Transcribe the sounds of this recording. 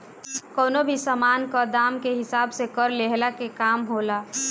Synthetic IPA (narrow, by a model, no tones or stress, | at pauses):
koːnobʱisəmaːnkad̪aːmkeɦɪsaːbsekəɾleɦlakekaːmɦoːlaː